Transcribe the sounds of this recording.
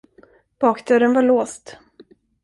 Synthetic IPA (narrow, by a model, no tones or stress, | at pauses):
b̥ɑːkd̪œːɾənvaɭoːst̪